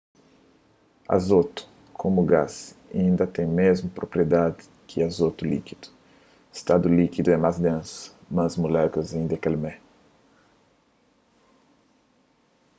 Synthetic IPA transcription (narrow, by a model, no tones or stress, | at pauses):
ɐ̰zot̪u̥ | kʰomuɡazĩnd̪ɐt̪ẽj̃mezmʊpɾopɾied̪ad̪ɪ | kʰɪazot̪ulḭkid̪̥u̥ | e̥st̪ad̪ulikid̪uɛmazd̪ɐ̃sʊ̥mɐ̃zmulɛkuɐzẽnd̪ekalmɛ